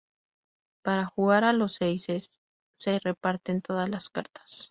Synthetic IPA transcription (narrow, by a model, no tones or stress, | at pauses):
paɾaxuɣaɾalo̞sejsesː | e̞re̞paɾt̪e̞nt̪o̞ðazlaskaɾt̪ḁs